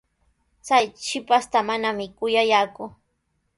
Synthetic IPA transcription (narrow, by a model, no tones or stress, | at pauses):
t͡sajt͡ʃɪpast̪amanamɪkʊjajaːkʊ